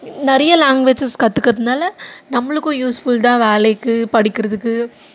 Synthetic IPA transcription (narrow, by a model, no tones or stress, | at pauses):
nɛɾɐjɐlaːŋɡʋet͡ʃːɐskɐt̪ːɯkːɐðɯnaːlɐnɐmːɐɭɯkːõːjuːsfult̪ãːʋeːlɐjkːɯpɐɽɪkːɪɾɐðɯkːɯ